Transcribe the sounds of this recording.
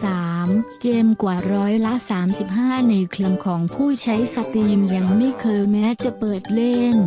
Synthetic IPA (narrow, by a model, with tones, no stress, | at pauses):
saː˩˦mkeː˧mkwaː˨˩ɾɔː˦˥jla˦˥saː˩˦msi˨˩p̚ɦaː˥˩na˧jkʰli˧əmkʰɔː˩˦ŋpʰuː˥˩t͡ɕʰa˦˥jsa˧t̪iː˧mja˧ŋma˥˩jkʰɤː˧jmɛː˦˥t͡ɕa˨˩pɤː˨˩t̪̚le˥˩n